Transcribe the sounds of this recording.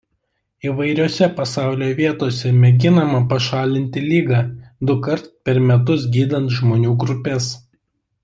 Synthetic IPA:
iːʋɐɪɾʲoːsʲɛpɐsɑˑʊlʲoːʋʲiɛt̪oːsʲɛmʲɛɡʲɪnɐmɐpɐʃɑːlʲɪnʲt̪ʲɪlʲiːɡɑːd̪ʊkɐɾt̪pʲɛɾmʲɛt̪ʊsɡʲiːd̪ɐnt̪ʒmoːnʲuːɡɾʊpʲɛs

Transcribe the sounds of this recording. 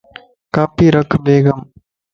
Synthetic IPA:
kaːpiːɾɐkʰːbʱeːɡɐm

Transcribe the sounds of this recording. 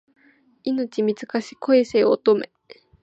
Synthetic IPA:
inot͡ɕimʲizɨkaɕi̥koeseːot̪ome

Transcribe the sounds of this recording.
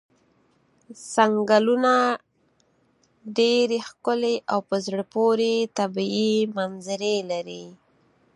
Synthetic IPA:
saŋɡaluna | ɖeɾexkʊleʔawpəzɽəpoɾet̪abiimanzaɾelaɾi

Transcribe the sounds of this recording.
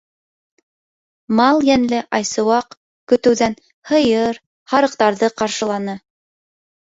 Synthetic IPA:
mɑlˠjænlɘʔɑjsɤ̆wɑq | kɵ̆t̪ɘ̆wðæn | hɤ̆jɤɾ | hɑɾɤ̆qt̪ɑɾðɤqɑɾʃɤ̆lˠɑnɤ

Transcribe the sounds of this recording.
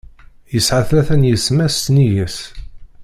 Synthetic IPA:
jəsʕaθæθænjəsmæsːnijəs

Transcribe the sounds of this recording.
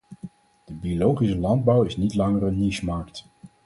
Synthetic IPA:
d̥əbiolowχisəlɑnd̚bʌwɪsnitlɑŋərənːismɑːkt

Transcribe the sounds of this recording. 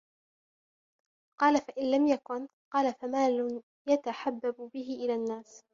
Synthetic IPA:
qɑːlafaʔɪnlamjakʊn | qɑːlafamaːlʊn | jat̪aħabːabbɪɦɪʔɪlaːnːaːs

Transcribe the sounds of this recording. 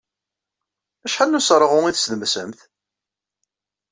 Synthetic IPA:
æʃħalnːusɾˤəʁʊŋiθsðəmsəmθ

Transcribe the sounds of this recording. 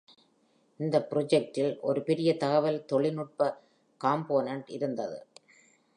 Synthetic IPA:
ɪnd̪ɐpːɾɔd͡ʒɛk̚ʈɪlʔɔ̰ɾɯpɛɾɪjɐt̪ɐɣɐʋɐlt̪ɔɭɪnʊʈ̚pɐ | kaːmpoːnɐɳɖɪ̰ɾɯnd̪ɐðɯ̰

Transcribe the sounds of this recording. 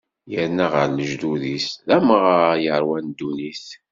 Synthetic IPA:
jəɾnaʁəɾləʒd̪uðisðæməʁjəɾˤwænd̪ːuniθ

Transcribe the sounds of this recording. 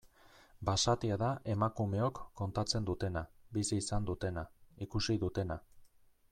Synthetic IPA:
basat̪iaðaʔe̞makume̞o̞kːo̞nt̪at͡se̞nd̪ut̪e̞nabisiːsand̪ut̪e̞naikusiðut̪e̞na

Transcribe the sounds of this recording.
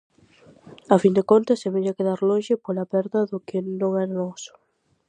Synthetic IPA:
afind̪ekont̪ɐseβeɲakeðaɾlõŋʃɪpolɐpɛɾðɐðʊkɪnõŋɛɾanɔsʊ̥

